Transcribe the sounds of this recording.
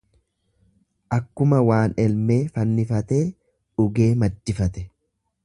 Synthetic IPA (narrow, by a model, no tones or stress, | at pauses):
ʔɐkːʊmɐwaːnɛlme̞ːfɐnːɪfɐt̪e̞ː | ʊɡe̞ːmɐd̪ːɪfɐt̪ɛ